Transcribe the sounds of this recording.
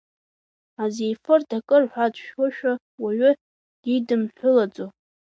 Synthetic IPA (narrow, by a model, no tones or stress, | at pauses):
azejfɨrdakʼɨrħʷad͡zʷʼʃoʃᶣa | waɥʏ | didɨmħʷʊlad͡zʼo